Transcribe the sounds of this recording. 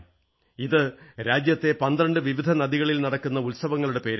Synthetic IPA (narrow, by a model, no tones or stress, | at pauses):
iðɨɾaːd͡ʑjɐt̪ːe̞pɐnd̪rɐɳɖɨʋiʋid̪ʱɐnɐðiɣɐɭilnɐɽɐkːunːɐulsɐʋɐŋːɐɭuɽe̞pe̞ːɾ